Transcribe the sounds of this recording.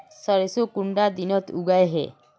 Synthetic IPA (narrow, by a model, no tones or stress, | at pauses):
səɾesokuɳɖad̪inɔt̪uɡajɦḛ